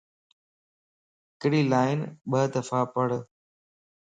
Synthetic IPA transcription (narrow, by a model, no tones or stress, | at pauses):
ɪkɽiːlaːɪnɓəɦd̪əfaːpəɽ